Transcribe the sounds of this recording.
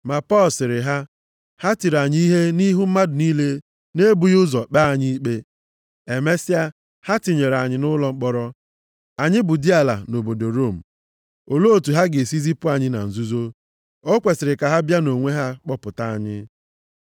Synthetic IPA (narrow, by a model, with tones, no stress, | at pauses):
ma˨pɔ˦lsɪ˨ɾɪ˨ɦa˦ | ha˦ti˨ɾa˨ɲi˦i˦ɦe˦ni˦ɦu˦m̩˦ma˦dʊ˨ni˦le˦ | ne˦bu˨jʊ˦zɔ˨k͡pa˦a˨ɲi˦i˦k͡pe˦ | e˨me˦si˦a˦ | ha˦ti˨ɲe˨ɾa˨ɲɪ˨nʊ˦lɔ˦ŋ͡m̩˦k͡pɔ˦ɾɔ˦ | a˨ɲɪ˦buʊ˨di˦a˨la̰˨no˨bo˨do˨ɾo˦˨m̩˨ | o˨lo˦o˦˨tu˨ɦa˦ɡɪ˨si˦zi˦pʊ˦a˨ɲɪ˦na̰˨n̩˨zu˦zo˦ | o˦kʷe˨sɪ˨ɾɪ˨ka˨ɦa˦bja˦no˨ŋʷe˦ɦa˦k͡pɔ˦pʊ˨ta˦˨a̰˦˨ɲɪ̰˦